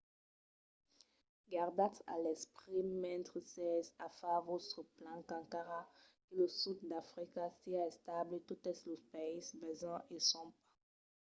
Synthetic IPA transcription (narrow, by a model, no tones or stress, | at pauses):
ɡaʁd̪at̪a̰lɛspʁimɛ̃nt̪χəsɛzafavosəplãkãŋkaʁakəlosud̪d̪afʁikasiaɛst̪ablet̪ut̪əslospeisbezãʔesɔ̃mpḁ